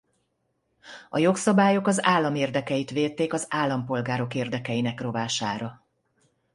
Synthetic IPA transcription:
ɒjo̞ksɒbaːjo̞kɒzaːlːɒmeːrd̪ɛkɛjit̪ʋeːt̪ːeːkɒzaːlːɒmpo̞lɡaːɾo̞keːrd̪ɛkɛjinɛkro̞vaːʃaːɾɒ

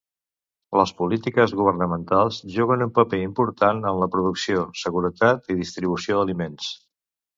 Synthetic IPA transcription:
ləspulit̪ikəzɣuβ̞ərnəmənt̪alˠzʒuɣ̞ənumpəpeimpuɾt̪anənləpɾuðuksiosəɣuɾət̪at̪iðist̪ɾiβ̞usioðəlimens

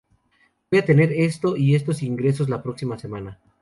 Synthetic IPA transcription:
bbojat̪e̞ne̞ɾe̞st̪o̞ʔie̞s̬t̪o̞siŋɡɾe̞s̬o̞s̬lapɾo̞ksimasemana

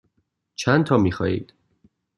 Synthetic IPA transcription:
t͡ʃʰænt̪ʰɒːmiːxɒːjḭːd̪̥

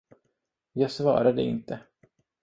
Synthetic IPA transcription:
jɑːɡsvɑ̰ːɾad̪əɪ̰nt̪ʰə

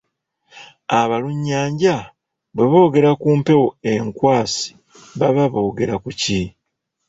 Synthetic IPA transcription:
aβaluɲːaːɲɟa | βwe̞βo̞ːɡe̞ɾakuːmpe̞woe̞ŋkwaːsi̥ | βaβaβo̞ːɡe̞ɾakuci

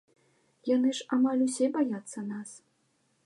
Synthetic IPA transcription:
janɨʂamalʲusʲɛbajat̪sːɐnas

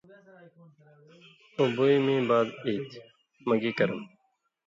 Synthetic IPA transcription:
uboimĩːbaːd̪iːt̪ | məɡiːkəɾəm

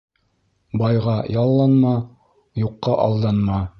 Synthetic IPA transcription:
bɑjʁɑjɑlˠːɑnmɑ | juqːɑʔɑlˠd̪ɑnmɑ

